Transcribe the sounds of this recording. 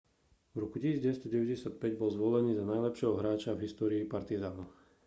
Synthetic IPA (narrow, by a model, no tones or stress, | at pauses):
vɾɔkucisiːd͡zɟɛst̪ɔɟɛʋɛɟɛsɪat̪̚pɛɟbɔlzʋɔlɛniːzanajlɛpʃɪɛɦɔɦɾaːt͡ʃavɦist̪ɔːɾiːpaɾt̪izaːnu